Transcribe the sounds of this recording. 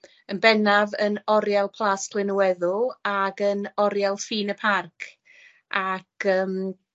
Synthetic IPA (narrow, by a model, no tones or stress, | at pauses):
ənbɛnavənɔɾjalˠpʰlˠaːskʰl̥ɪnuɛðʊlˠaɡənɔɾjalˠfiːnəpʰarkʰ | ʔakʰəːm